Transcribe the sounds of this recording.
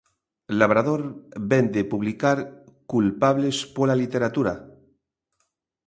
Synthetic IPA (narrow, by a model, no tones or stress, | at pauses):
laβ̞ɾaðo̞ɾbend̪epuβlikaɾkulpaβle̞spolalit̪e̞ɾat̪uɾa